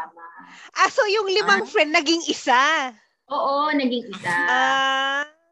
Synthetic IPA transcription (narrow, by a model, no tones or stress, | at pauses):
ʔasojʊŋlɪmaŋfɾɛnd̪nːɐɡɪŋʔɪsa | ʔoːʔonɐɡɪŋɪsaʔa